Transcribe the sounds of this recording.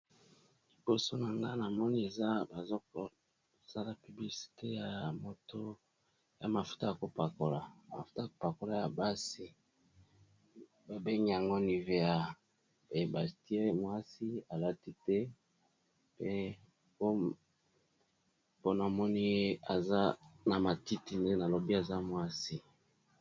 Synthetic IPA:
li˨bo˨so˦na˨ŋɡa˦na˨mɔ˦ni˦e˨za˦ba˨zo˦ko˨ | sa˦la˨py˨bli˨si̥˨te˦ja˨mo˨to˦ | ja˨ma˨fu̥˦ta˦ja˨ko˨pa˨ko˨la˨ma̰˨fu̥˦ta˦a˨ko˦pa˨ko˨la˦ja˨ba˦si˨ | ba˨be˦ŋɡi˦ja˨ŋɡo˦ni˨ve˦a˨ | e˨ba˨ti˦e˦mwa˦si˦a˨la˦ti˦tɛ˦ | pe˦ | po˦ | po˦na˨mɔ˦ni˦e˦a˨za˦na˨ma˨ti˦ti˦nde˦na˨lo˨bi˦a˨za˦mwa˦si˦

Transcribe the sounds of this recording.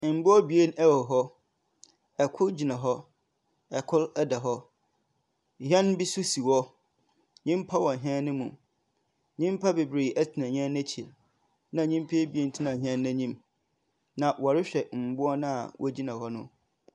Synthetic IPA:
m̩˨bʊ˦ɔ˦bi˨e˦nɛ˦wɔ˨ɦɔ˦ | ɛ˨kʰʊ˦d͡ʑi˨nã˨ɦɔ˦ | ɛ˨kʰʊ˦lɛ˦da˨ɦɔ˦˨ | ɦɛ̃˦n˦bi˦sʊ˦si˨wɔ˦ | ɲĩ˦m˦pʰa˦wɔ̃˨ɦã˦nːʊ̃˦mũ˨ | ɲĩ˦m˦pʰa˦be˨bɾe˨ɛ˦tʰɪ˨nã˨ɲ˦ɛ̃˦næ˦t͡ɕʰi˨l | nã˨ɲĩ˦m˦pʰe˦bi˨e˦n˦tʰi˦nã˨ɦɛ̃˦nːæ̃˦ɲĩ˦m | nã˨wɔ˨ɾɪ˦ɕᶣɛ˨m̩˨bʊ˦ɔ˦nã˦a̰˨wʔɔ̰˦d͡ʑi˦nã˨hɔ˦nʊ̃˦

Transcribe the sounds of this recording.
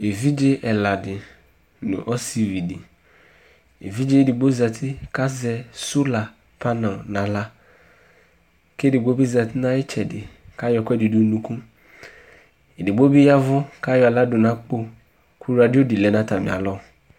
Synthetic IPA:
e˨vi˦d͡ʒe˦ʔɛ˨la˨dɪ˨ | nʊ̰̃˨ʔɔ˦si˨wi˨dɪ̰˨ | e˨vi˦d͡ʒe˦dɪ˨ɡ͡bo˦za˨tʰɪ˦ka˦zɛ˦sʊ˦la˨ | pʰa˦nã˨nã˨la˦ | ke˦dɪ˨ɡ͡bo˦bi˦za˨tɪ˦nã˦ɪ˦t͡ʃʰɛ˨dɪ˨ka˦jɔ˨kʷɛ˦dɪ˨du˨nũ˨kũ˦ | ɪ˨dɪ˨ɡ͡bo˦bi˦ja˦vʊ˦ka˦jɔ˨a˨la˦dʊ˨nã˨˦k͡po˦ | kʰu˦ɾa˨dɪ˦o˦di˨lɛ˨nã˨˦ta˨mɪ̰˨a̰˨lɔ˦

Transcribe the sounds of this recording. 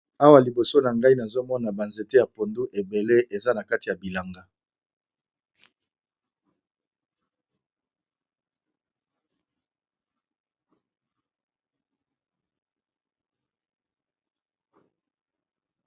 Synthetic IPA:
a˦wa˨li˨bo˨so˦na˨ŋɡa˦i˦na˨zo˦mɔ˦na˨ba˨nze˨te˦ja˨po˨ndu˦ʔe˨be˨le˦ʔe˨za˦na˨ka˦ti˨ja˨bi˨la˨ŋɡa˦

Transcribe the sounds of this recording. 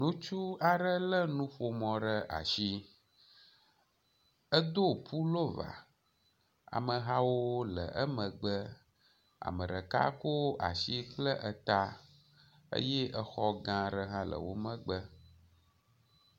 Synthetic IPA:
nũ˦t͡ʃu˦a˨ɖə˦lə˦nũ˦ɸo˨mɔ̃˨ɖə˦ʔa̰˨ʃi˦ | ə˦d̪o˦pʰu˦lo˦va̰˨ | a̰˨mə̃˨ɦã˦wo˦lə̰˨ʔə˦mə̃˨ɡ͡bə˦ | a̰˨mə̃˨ɖə˨ka̰˦ko˦ʔa˨ʃi˦k͡plə˦ʔə˨t̪a˦ | ə̰˦jɛ˦ʔə˦xɔ˦ɡã˦ɖə˨ɦã˦lə̰˨wo̰˦mə̃˦ɡ͡bə˦

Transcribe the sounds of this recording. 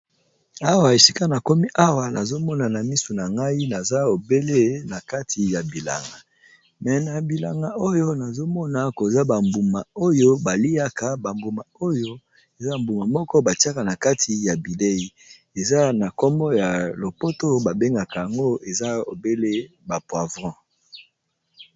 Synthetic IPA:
a˦wa˨e˨si˦ka˦na˨ko˦mi˦ʔa˦wa˨nʔa̰˨zo˦mɔ˦na˨na˨mi˦so˨na˨ŋɡa˦i˦na˨za˦o˨be˦le˦na˨ka˦tʰi˨ja˨bi˨la̰˨ŋɡa˨ | mɛ˨na˨bi˨la˨ŋɡa˨o˦jo˦na˨zo˦mɔ˦na˨ko˨za˦ba˨mbu˨ma˨o˦jo˦ba˨li˦ja˦ka˨ba˨mbu˨ma˨o˦jo˦ | e˨za˦˨mbu˨ma˨mɔ˦kɔ˦ba˨ti˦a˦ka˨na˨ka˦tʰi˨ja˨bi˨le˦i˨ | e˨za˦na˨kɔ˦mbɔ˦ja˨lo˨po˦to˦ba˨be˦ŋɡa˨ka˨ja˨ŋɡo˦e˨za˦o˨be˦le˦ | ba˨pwa˨vɑ̃˦

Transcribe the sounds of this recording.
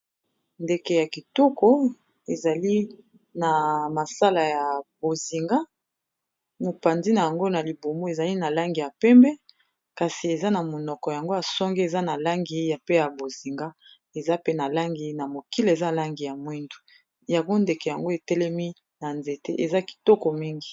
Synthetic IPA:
nde˨ke˨ja˨ki˨to˦ko˦ | e˨za˨li˦ | na˨ma˨sa˦la˨ja˨bo˨zi˨ŋɡa˦ | mo˨pa˨nzi˦na˨ja˨ŋɡo˦na˨li˨bo˨mu˦e˨za˨li˦na˨la˦ŋɡi˨ja˨pɛ˦mbɛ˦ | ka˨si˨e˨za˦na˨mo˨nɔ˨kɔ˨ja˨ŋɡo˦a˨sɔ˦ŋɡi˦e˨za˦na˨la˦ŋɡi˨˦ja˨pe˦ja˨bo˨zi˨ŋɡa˦ | e˨za˦pe˦na˨la˦ŋɡi˨na˨mo˨ki˦le˨e˨za˦˨la˦ŋɡi˨ja˨mwi˦ndu˨ | ja˨ŋɡo˦nde˨ke˨ja˨ŋɡo˦e˨tɛ˦lɛ˦mi˦ | na˨nze˨te˦ʔe˨za˦ki̥˨tɔ˦kɔ˨mi˦ŋɡi˨

